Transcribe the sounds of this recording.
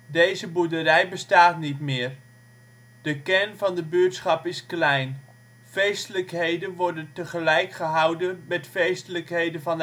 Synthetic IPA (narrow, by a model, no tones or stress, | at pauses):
dejzəbudərɛjbəstaːtnitmɪːər | d̥əkɛnvɑndəbøətsχɑpɪsklɛjn | fejstələkɦejdənʋɔrdəntəχəlɛjkχəɦɑwdəmɛtfejstələkɦejdəvɑn